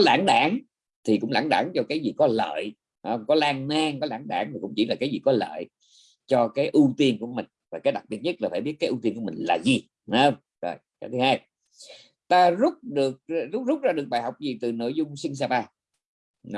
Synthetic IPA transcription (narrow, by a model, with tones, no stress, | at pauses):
ɔ˦la̰ː˧˥nɗa̰ː˧˥˦ŋ | t̪ʰi˨˩kʊ̰˧˥ŋ͡mla̰ː˧˩nɗa̰ː˧˩ŋt͡ɕɔ˧kaː˨˦jzi˨˩kɔ˨˦lə̰ː˧˨j | hə˧wŋ͡mkɔ˨˦laː˧ŋnaː˧ŋkɔ˨˦laː˧˥˩nɗa̰ː˧˩ŋt̪ʰi˨˩kʊ̰˧˥ŋ͡mt͡ɕi˧˩˦laː˨˩kaː˨˦jzi˨˩kɔ˨˦lə̰ː˧˨j | t͡ɕɔ˧kaː˨˦jʔu˧t̪i˧ənku˧˩əmï˨˩ŋ̟vaː˨˩kaː˨˦jɗa˨˩k̚ɓi˨˩ət̚ɲə˦˥t̚laː˨˩faː˧˩ɓi˦˥t̚aː˨˦ʔu˧t̪i˧nku˧˩əmï˨˩ŋ̟laː˨˩zi˨˩ | na˨˦hə˧wŋ͡m | zo̰˨˩jkaː˨˦t̪ʰɨ˨˦haː˧j | t̪aː˧zʊ˦˥k͡p̚ɗɨ˨˩ək̚zʊ˦˥k͡p̚zʊ˦˥k͡p̚zaː˧ɗɨ˨˩ək̚ɓaː˨˩jɦa˨˩wk͡p̚zi˨˩t̪ɨ˨˩no̰˧˨jzʊ˧ŋ͡msi˧ŋ̟s̬aː˧ɓaː˧ | n˧˦